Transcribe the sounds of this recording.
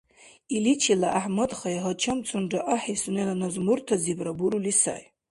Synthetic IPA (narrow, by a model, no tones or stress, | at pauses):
ilit͡ʃʰilaʔaħmadχajaɦat͡ʃʰamt͡sʰʊnɖ͡ʐaʔaħisunelanazmurtʰazibrabuɾulisa̰j